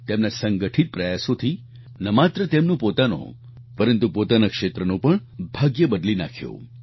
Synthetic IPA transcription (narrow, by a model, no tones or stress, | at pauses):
t̪emnasəŋɡəʈʰit̪̚pɾəjasot̪ʰi | nəmat̪ɾət̪emnũpot̪ano̰ | pəɾənt̪upot̪anakʂet̪ɾənõpəɳbʱaɡjəbəd̪linakʰjo̰